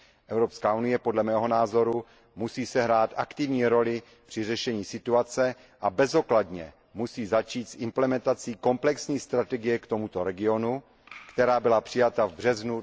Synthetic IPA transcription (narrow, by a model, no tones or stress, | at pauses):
ʔɛvwɾo̞pskaːunɪjɛpodlɛmɛːɦo̞naːzo̞ɾu | musiːsɛɦɾaːt̪ʔakt̪ɪvɲiːɾo̞lɪ | pr̥ɪrɛʃɛɲiːsɪt̪uat͡sɛ | ʔabɛzo̞kladɲɛ̰ | musiːzat͡ʃiːt̪sʔɪmplɛmɛnt̪at͡siːko̞mplɛksɲiːst̪ɾat̪ɛɡɪjɛkt̪o̞mut̪o̞ɾɛɡɪo̞nu | kt̪ɛɾaːbɪlapr̥ɪjat̪avbr̝ɛznu